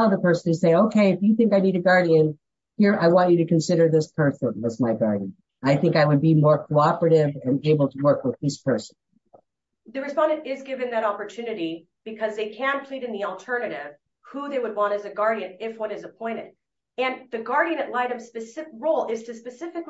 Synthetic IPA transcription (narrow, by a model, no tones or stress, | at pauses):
ðəpʰɜ˞snɨz̥seɪɪ̃ŋoʊkʰeɪɨfjɨθɪ̃ŋkaɪniɾɨɡɑɹɾiɨ̃n | hiɹʔaɪwɑ̃nt͡ʃɨɾɨkɨ̃nsɪɾə˞ðɪspʰɜ˞sə̃nʌzmaɪɡɑɹd̃n | aɪθɪ̃ŋkaɪwɨd̚bimɔɹkʰoʊɑpɹɨɾɪvɨ̃neɪbl̩ˠtʰəwɜ˞kwəðɪspʰɜ˞sn̩ | ðɨɹɨspɑ̃ndɨ̃nɪzɡɪvɨ̃nðɨɾɑpə˞tʰʉnɨɾi | b̥ɨkʰʌzðeɪkʰɨ̃npʰl̥iɾɨ̃nðil̩ˠtʰɜ˞nɨɾɪv̥ | huðeɪwəd̚wɑ̃ñɨzɨɡɑɹɾiɨ̃nɪfwʌ̃nɨzəpʰɔ̃ɪ̃ñɨɾ | ɨ̃nðɨɡɑɹɾiɨ̃nɨʔˡlaɪɾɨ̃mspɨsɪɹoʊlˠɪz̥tʰɨspɨsɪfɨk